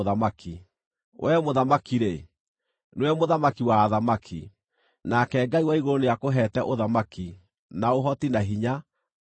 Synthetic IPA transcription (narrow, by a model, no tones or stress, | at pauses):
ðamaki | wʔɛmoðamakiɾe | nwɛmoðamakiwaːðamakʰi | nakɛɡaiwaiɣoonejakoɦɛtɛʔoðamaki | naoɦɔtinaɦiɲa